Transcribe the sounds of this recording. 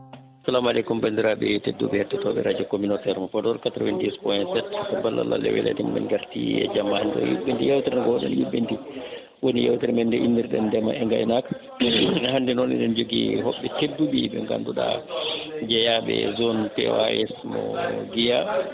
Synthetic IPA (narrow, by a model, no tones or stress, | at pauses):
asalamalɛkumbandiɾabɛtedːṵbɛhɛtːɛtɔɓɛ̰ɾad͡ʒɔkominotɛɾmɔfɔdɔɾkatɾowɛndispɔjɛntsɛttabalːa̰lːa̰lɛ̰wɛ̰la̰timbɛ̰nɡaɾtḭɛ̰d͡ʒamːahandɛɔ̰jṵbːintijawtɛɾnaɡɔwɗɛ̰njubːinti | wonijawtɛɾmɛndɛʔinːiɾɗɛndɛmaʔɛŋɡa̰jnakḁ | ɦandɛnɔnɛ̰ɗɛnd͡ʒoɡiɦɔɓːɛtedːubiɓɛŋɡa̰nduɗa̰ | d͡ʒɛjaɓɛ̰zɔnpɛ̰aɛsmɔ̰ɡija